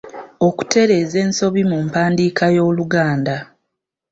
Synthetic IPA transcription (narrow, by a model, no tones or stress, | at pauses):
o̞ku̥tʰe̞ɾe̞ːze̞ːnso̞βimumpaːndiːkajo̞ːluɡaːnda